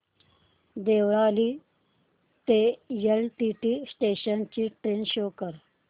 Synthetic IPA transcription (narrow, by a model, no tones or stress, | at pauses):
d̪eːwɾaːli | t̪ejɐlʈiʈisʈeːɕənt͡ɕiʈɾeːnɕoːkəɾ